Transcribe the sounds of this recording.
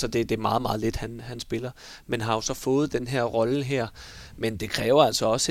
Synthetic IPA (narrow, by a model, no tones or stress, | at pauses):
sɒ̽d̥e̝d̥e̝ɐmɑ̈ːð̞̩ˠmɑ̈ːð̩ˠle̝d̥hænhænsb̥e̝lɐ | menɦɑ̈jo̝sɒ̽fɔ̽ːð̞̩ˠd̥enɦeɐ̰ʁɒ̽ləɦeɐ̰ | mend̥e̝kʰʁɛːʊɐæl̰sɒ̽ɒ̽s